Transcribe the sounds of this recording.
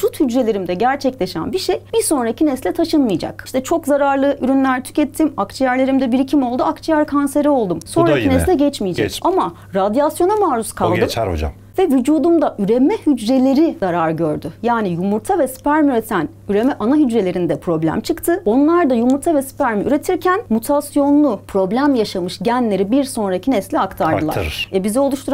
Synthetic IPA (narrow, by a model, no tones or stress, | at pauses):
sut̪hyd͡ʒɾe̞lʲe̞ɾimd̪ɛɟæɾt͡ʃʰɛclʲe̞ʃæ̰nbiʃejjbiɾso̞nɾacinɛslʲɛt̪ʰaʃɯnmɯjd͡ʒa̰kiʃt̪ʰɛt͡ʃʰo̞kzaɾaɾlˠɯʔyɾynlʲæɾt̪ʰy̥cɛt̪ʰːimakt͡ʃʰijæɾlʲe̞ɾimd̪ɛbiɾicʰimo̞lˠd̪uakt͡ʃʰijæɾkʰanse̞ɾɛo̞lˠd̪umso̞nɾainɛslʲɛɟɛt͡ʃmijid͡ʒɛ̰cama | ɾad̪jasjo̞namaːɾuskʰallˠd̪ɯ̰d͡ʒ̰ | vɛvyd͡ʒuːd̪umd̪aʔyɾemɛhyd͡ʒɾe̞lʲe̞ɾizaɾaɾɟø̞ɾd̪ʏjaːnijumuɾt̪ʰavɛspæɾmyɾe̞t̪ʰæn | yɾe̞mɛʔanaɦyd͡ʒɾe̞lʲe̞ɾind̪ɛpʰɾo̞blʲæ̰mt͡ʃʰɯkt̪ʰɯo̞nlˠaɾd̪ajumuɾt̪ʰavɛspæɾmy̰ɾe̞t̪ʰiɾcʰænmut̪ʰasjo̞nlˠupʰɾo̞blʲæmjaʃamɯʃɟænlʲe̞ɾibiɾso̞nɾacʰinɛslʲɛakt̪ʰaɾd̪ɯlˠaɾɛbizɛo̞lˠuʃt̪ʰuɾ